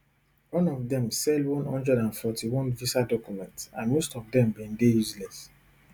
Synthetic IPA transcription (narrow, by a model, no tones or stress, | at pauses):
wɔ̃nɔvdɛ̃msɛldwɔ̃nɔ̃ndɹɛdãnfɔtʰiwɔ̃nvisadɔkjumɛ̃ntsãnmostɔvdɛ̃mbĩndejuzlɛs